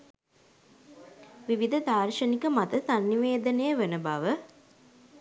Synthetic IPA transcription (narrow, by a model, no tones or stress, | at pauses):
ʋiʋid̪ʱɐd̪ʱaːrʂɐnikəmat̪əsanːiʋeːd̪ɐnejəʋenəbaʋə